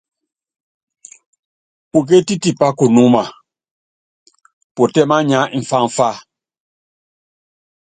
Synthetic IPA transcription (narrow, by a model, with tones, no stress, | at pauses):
pu˨k̬e˦ti˦ti˨pa˦ku˨nu˦ma˨ | po˨tɛ˦ma˦ɲa˨˦ʔi˨ɱ˨fa˦ɱ˨fa˦˨